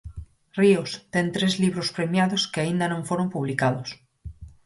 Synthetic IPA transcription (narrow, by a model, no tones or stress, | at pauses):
riʊst̪eŋt̪ɾezliβɾʊspɾemjaðʊskɪaind̪ɐnõŋfoɾompuβlikaðʊs